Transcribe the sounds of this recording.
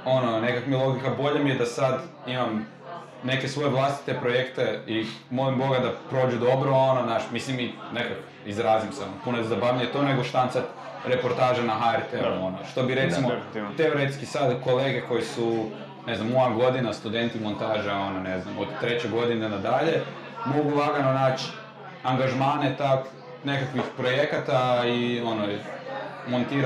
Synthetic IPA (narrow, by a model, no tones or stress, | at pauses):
o̞nonekakmielˠo̞ɡikabo̞ʎamijed̪asad̪imam | ne̞kesʋo̞jeʋlˠast̪i̥t̪epɾojekt̪e̞imo̞limbo̞ɡad̪apɾoːd͡ʒud̪o̞bɾoononaːʃmisliminekak | izɾaːzimseonopunozabaʋjaɲet̪o̞ne̞ɡoʃt̪ant̪sa | ɾe̞po̞ɾt̪aːʒenaxaɛɾt̪eɾuo̞noʃt̪o̞biɾet̪imot̪eo̞ɾet̪skisad̪ko̞leːɡe̞ko̞jisu | ne̞znamojaɡo̞d̪inast̪ud̪e̞nt̪imo̞nt̪aːʒeo̞noneznamod̪t̪ːɾe̞t͡ɕeɡo̞d̪inenad̪aʎe̞ | mo̞ɡulaɡanonaːt͡ɕ | aŋɡaʒmaːne̞t̪ak | ne̞kakʋixpɾo̞je̞kat̪aio̞no | mo̞nt̪iːɾ